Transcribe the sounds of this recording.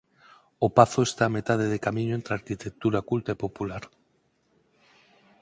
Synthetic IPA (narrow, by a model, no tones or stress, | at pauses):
opaθoest̪ame̞t̪að̞eðekamĩɲoent̪ɾeaɾkit̪ek̚t̪uɾakult̪aepopulaɾ